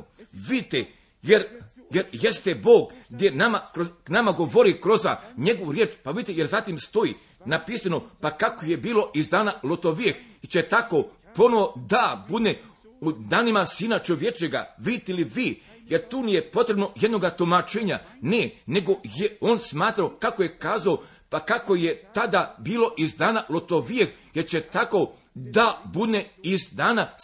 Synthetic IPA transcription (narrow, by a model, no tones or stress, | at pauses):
ʋid̪t̪e | jeɾ | jeɾjest̪ebo̞ːɡɡd̪je̞namakɾonamaɡo̞ʋo̞ɾikɾozaɲe̞ɡo̞ʋuɾjeːt͡ʃpaʋid̪it̪ejeɾzat̪imst̪o̞i | napiːsano̞pakakoje̞biːlo̞ʔizd̪aːnalˠot̪oʋijexit͡ɕe̞t̪ako̞ | po̞noʋo̞d̪abud̪ne | ud̪aːnimasiːnat͡ʃo̞ʋjet͡ʃeɡa̰ʋit̪eliʋiː | je̞ɾt̪uːnijepo̞t̪ɾe̞bno̞je̞d̪no̞ɡat̪omat͡ʃeːɲanene̞ɡo̞jeoːnsmaːt̪ɾaokako̞je̞kaːzao | pakako̞je̞t̪ad̪abiːlo̞ʔizd̪aːnalˠot̪oʋijexje̞ɾt͡ɕet̪ako̞ | d̪abud̪neizd̪aːna